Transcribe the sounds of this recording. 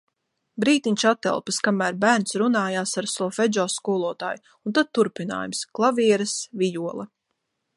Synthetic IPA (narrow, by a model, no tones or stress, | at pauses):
bɾiːt̪iɲʲʃat̪ːɛ̰lˠpɨskamæːɾbæːɾnsɾunaːjaːsaɾsɔfɛd͡ʒɔːskuːlˠuɔt̪a̰ːj | unt̪ad̪̚t̪ːuɾpina̰ːjumsklˠavʲiɛɾɨsvijuɔlˠɐ̰